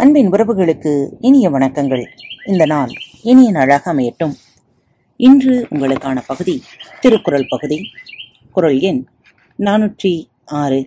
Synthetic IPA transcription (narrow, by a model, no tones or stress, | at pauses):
ɐnbɪnʋʊɾɐʋɯɣɐɭɯkːɯɪnɪjɐʋɐɳɐkːɐŋɡɐɭɪnd̪ɐnaːlɪnɪjɐnaːɻaːɣɐmeːɐʈːɯm | ɪndrɯʊŋɡɐɭɯkːaːnɐpɐɣɯðit̪ɪɾɯkːʊɾɐɭpɐɣɯði | kʊɾɐɭɛn | naːnɯʈri | aːɾɯ